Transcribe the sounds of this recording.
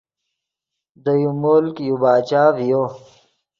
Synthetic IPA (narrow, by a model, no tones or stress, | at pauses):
d̪əjumolkjubaːt͡ɕaːvijo